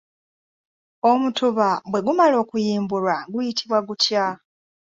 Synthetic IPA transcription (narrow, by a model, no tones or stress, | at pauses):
omutuβabwe̞ɡumalo̞ːkujiːmbulaɡujitʰiβwaɡutja